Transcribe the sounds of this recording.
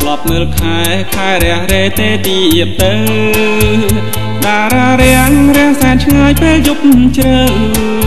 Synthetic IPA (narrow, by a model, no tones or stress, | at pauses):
t̪lɑp̚ŋɨlkʰaɛ | kʰaɛɾɛ̆əhɾeːt̪eːt̪iːʔiəp̚t̪əw | ɗaːɾaːɾɛ̆əŋrɛ̆əŋsaɛnt͡ɕʰŋaːjpeːljup̚t͡ɕrəːŋ